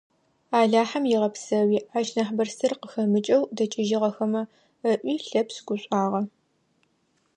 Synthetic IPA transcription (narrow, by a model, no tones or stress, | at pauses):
aːɮaːħamjɪʁɐpsɐwiːʔaʃnɐħbɐrsɨrqəxɐmɨt͡ʃʼɐwdɐt͡ʃʼɪʒɪʁɐxɐmɐ | əʔʷiːɬɐpsɡ̥ʷʊɕʷʼaːʁɐ